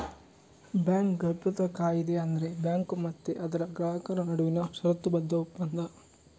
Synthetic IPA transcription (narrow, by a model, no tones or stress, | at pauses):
bjaːŋkɡɐpjɐt̪ɐkːaːjid̪eɐnd̪ɐɾe̞bjaːŋkumɐt̪ːeʔɐd̪ɐɾɐɡɾaːɦɐkɐɾɐnɐɽuʋinɐʃɐɾɐt̪ːubɐd̪ːɐupːɐnd̪ʱɐ